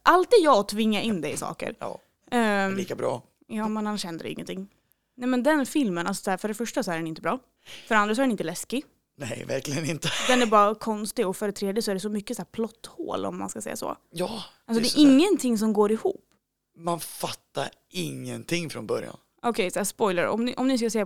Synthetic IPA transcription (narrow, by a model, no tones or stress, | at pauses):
ʔalt̪̚d̪ɛd̪jɑːɔt̪ʰvɪŋːaʔɪnːd̪ɛjsɑ̰ːkə̰ɾ̰ː | iːkabɾɑ̰ː | jɑːmɛnhanːaʂhɛnd̪əɾɛ̰ɪ̰ŋːə̰nt̪ɪŋː | nɛmɛnd̪ɛnfɪlmənalsɔ̥sæːɾfœɖɛfœʂʈasɔæɾɖɛnɪnt̪əbɾɑː | fœɖɛand̪ɾas̬ɔæɾɛnɪnt̪əlɛskɪ | nɛ̰jvæ̰ɾklɪɡənɪnt̪əd̪ɛnæɾbɑːɾakʰɔnst̪ɪɔfœɾɛt̪ʰɾeːd̪jɪəsɔæɾɖɛsɔmʏkːəsæːɾpʰlɔt̪ːho̰ːlɔ̰mːa̰nskasɛ̰jːa̰sɔ̰jɑː | alsɔddɛːʔɪŋːənt̪ʰɪŋːs̬ɔmɡoːɾɪhṵːpː | manfat̪ːa̰ɾ | ɪŋːənt̪ʰɪŋːfɾɔnbœɾja̰n | ʔɔkʰɛjsɔæːspɔjlaɾɔ̰mnɪʔɔmnɪs̬kas̬ɛː